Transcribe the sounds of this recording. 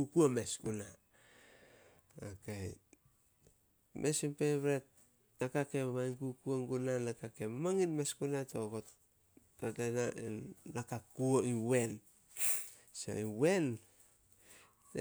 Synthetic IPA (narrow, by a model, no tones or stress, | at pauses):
ukuomeskuna | okej | mʔesimpeβɾet̚ | nakake̞mmainkukuoŋɡunanakake̞mamaŋinmeskunatokot | tatenaʔenːakakuoiwe̞n | so̰iwe̞n